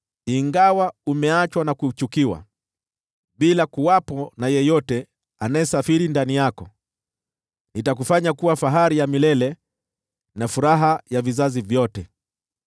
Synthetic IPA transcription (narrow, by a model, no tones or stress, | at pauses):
iŋɡawaumɛat͡ʃwanakut͡ʃukiwa̰ | ɓilakuwapɔnajɛjɔtɛ | anajɛsafiɾindanijakɔ | nitak̬ufaɲakuwafaɦaɾijamilɛlɛ | nafuɾaɦajavizazivjɔtɛ